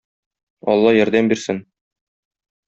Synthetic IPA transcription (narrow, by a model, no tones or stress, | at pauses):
ɒ̰lˠːɑjɒɾd̪æmbiɾsɘn